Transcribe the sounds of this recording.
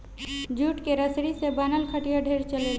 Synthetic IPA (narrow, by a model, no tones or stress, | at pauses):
d͡ʒuːʈkeɾəsɾisebaːnəlkʰəʈijaɖʱeːɾt͡ʃəlel